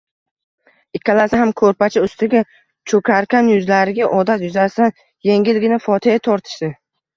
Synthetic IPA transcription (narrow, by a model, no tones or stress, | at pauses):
ɪkʰʲːalasɪɦamkʰɵɾpat͡ʃʰɪʊst̪ɪɡʲa | t͡ʃʰɵkʲʰaɾkʲanjʊzlaɾɪɡʲaʔɒd̪at̪jʊzasɪd̪an | jeŋɡʲɪlɡʲɪnɪfɒt̪ʰɪjat̪ʰɒɾt̪ʰɪ̥ʃd̪ɪ